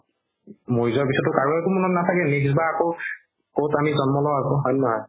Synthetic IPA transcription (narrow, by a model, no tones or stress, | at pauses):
mojzɔɹpisɔtʊkaɹuɛkumɔnɔtnatʰakɛneksbaːko | kowtamizɔnmɔlɔakɔɦɔjnɔɦɔj